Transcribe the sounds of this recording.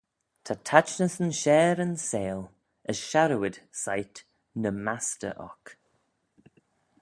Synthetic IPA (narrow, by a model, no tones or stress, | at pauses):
t̪ʰatʰat͡ʃnəsənʃɛːɾənseːl | əsʃaɾəwɪd̪̥sajt̪ | nəmastə̰ʔɔ̰k